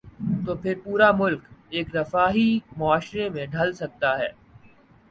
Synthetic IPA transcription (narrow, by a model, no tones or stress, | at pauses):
t̪oːpʰɪɾpuːɾamʊlkeːkɾɐfaːɦimʊaːʃɾemẽɖʱɐlsɐk̚t̪aɦɛː